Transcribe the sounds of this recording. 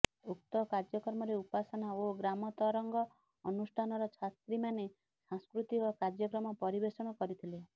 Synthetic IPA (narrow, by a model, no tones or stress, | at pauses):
uk̚t̪ɔkaɾd͡ʒjɔkɔɾmɔɾeupasɔnaoɡɾamɔt̪ɔɾɔŋɡɔː | nusʈʰanɔɾɔt͡ʃʰast̪ɾimane | sãskɾut̪ikɔkaɾd͡ʒjɔkɾɔmɔpɔɾibesɔɽ̃ɔkɔɾit̪ʰile